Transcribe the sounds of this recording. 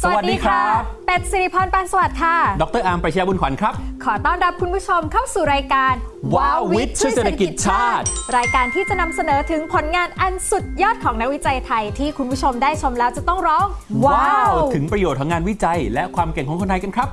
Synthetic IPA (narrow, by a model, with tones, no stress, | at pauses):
sa˧˨t̚diː˧kʰɾa˦˥˩pe˨˩t̪̚si˧˩ɾi˧˩pʰɔː˧npaː˧nsa˧wa˨˩t̪̚kʰa˥˩dɔ˨˦k̚t̪ɤː˥˩ʔaː˧mpɾa˧˩a˧jaː˧bu˧nkʰwa˨˩˦nkʰɾa˦˥p̚kʰɔː˩˦t̪ɔː˥˩nɾa˦˥p̚kʰu˧npʰu˦˥t͡ɕʰo˧mkʰa˥˩wsuː˨˩ɾaː˧jkaː˧nwaː˧wwi˦˥t̪̚t͡ɕʰɯ˥seː˨t̪ʰːa˧ki˨i˩t̪̚t͡ɕʰaː˥˩t̪̚ɾaː˧jkaː˧nt̪ʰiː˥˩t͡ɕa˨˩na˧msa˧nɤː˩˦t̪ʰɯ˩˦ŋpʰo˩˦nŋaː˧nʔa˧nsu˨˩t̪̚jɔː˥˩t̪̚kʰɔː˩˦ŋna˦˥k̚wi˦˥t͡ɕa˧jt̪ʰa˧jt̪ʰiː˥˩kʰu˧npʰu˥t͡ɕʰo˧mdaː˥˩jt͡ɕʰo˧mlɛː˦˥wt͡ɕa˨˩t̪ɔ˥˩ŋɾɔː˦˥ŋwaː˧˥wt̪ʰɯ˩˦ŋpɾa˧joː˨˩t̪ʰːaː˧ŋaː˧nwi˦˥t͡ɕa˧jlɛ˦˥kʰwaː˧mke˨˩ŋkɔː˨˦kʰo˧t̪ʰa˧jka˧nkʰɾa˦˥p̚